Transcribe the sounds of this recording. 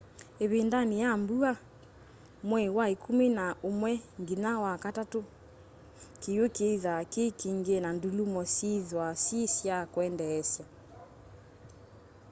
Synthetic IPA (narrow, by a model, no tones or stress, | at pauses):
eβendanijambua | mwɛwaekumenaomwɛŋɡinawakatato | kejokeiðakekiŋɡenandulumɔsiðwasisjakwɛndɛːsja